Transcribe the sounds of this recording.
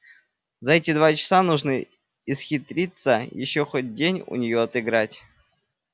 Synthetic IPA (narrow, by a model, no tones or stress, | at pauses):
zɐɛtʲɪd̪vat͡ɕɪ̥sanuʐnɨ | isxʲɪt̪ɾʲit̪səjɪ̰ɕːoxot̚ʲdʲenʲṵnʲɪjoɐt̪ɨɡɾatʲ